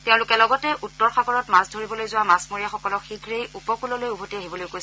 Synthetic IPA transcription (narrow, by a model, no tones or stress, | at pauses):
tɛʊ̃lʊkɛlɔɡɔtɛʔutːɔɹxaɡɔɹɔtmasdʱoɹibɔlojzʊwamasmoɹijaxɔkɔlɔxiɡʱɹejʔupɔkulɔlojubʱotiaɦibɔlojkojs